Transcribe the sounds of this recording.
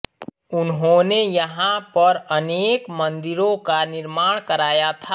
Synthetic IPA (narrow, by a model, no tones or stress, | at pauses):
ʊnɦõnejəɦãpəɾəneːkmə̃nd̪ɪɾõkanɪɾmaːɽ̃kəɾaːjat̪ʰa